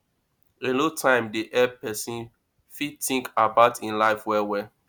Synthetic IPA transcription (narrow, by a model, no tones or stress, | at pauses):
elotʰãɪ̃mdeʔɛpɛsĩn | fitĩŋkabaʊtʰĩnlaɪfwɛwɛ